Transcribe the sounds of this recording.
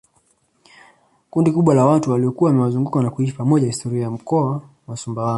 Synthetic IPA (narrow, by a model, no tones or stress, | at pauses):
kundikuɓwalawatuwaliɔkuwawamɛwazuŋɡukanakuiʃipamɔʄahistɔɾiajam̩kɔa | wasumbawa